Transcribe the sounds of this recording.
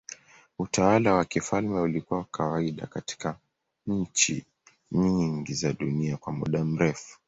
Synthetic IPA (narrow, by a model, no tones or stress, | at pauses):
utawalawakifalmɛulikuwawakʰawaiɗa̰kati̥ka | ɲ̩t͡ʃḭ | ɲiŋɡizaɗuniakwamṵɗam̩ɾɛfu̥